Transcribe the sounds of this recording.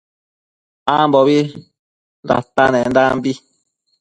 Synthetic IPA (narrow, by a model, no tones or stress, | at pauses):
amboβi | nda̰t̪anẽnd̪ambi